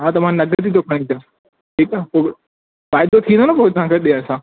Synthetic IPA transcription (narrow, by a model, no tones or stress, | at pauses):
ɦaːt̪ɐm̤ãnɐɡɾt̪ʰit̪ʰokʰɐɽ̃ĩt̪ã | ʈʰiːkaːpo | faːɪd̪ot̪ʰĩːnd̪oːnɐpoːɪt̪ɐʋ̤ãːkʰeɗiə̃sãː